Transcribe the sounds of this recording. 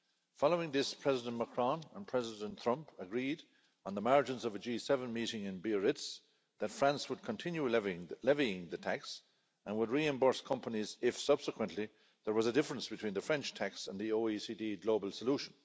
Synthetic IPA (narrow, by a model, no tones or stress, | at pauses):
fɑloʊɪ̃ŋðɪspʰɹ̥ɛzɪdə̃nməkʰɹ̥ɑ̃nə̃npʰɹ̥ɛzɪdə̃nt̪ʰɹ̥ʌ̃mpəɡɹiɾ | n̩ðəmaɹd͡ʒə̃nzʌvəd͡ʒisɛvə̃nmiɾɪ̃ŋɪ̃nbiəɹɪts | ðətfɹæ̃nswəd̚kʰə̃ntʰɪ̃njulɛviɪ̃ŋðətʰaks | ə̃nwədɹiɛ̃mbɔɹskʰʌ̃mpənizɪfsʌb̥səkʰwə̃nʔli | ðə˞wʌzədɪfəɹə̃nsb̥ɨtʰw̥ĩːnðəfɹɛ̃nt͡ʃtʰaksə̃nðioʊisidiɡloʊbəlˠsəluʃə̃n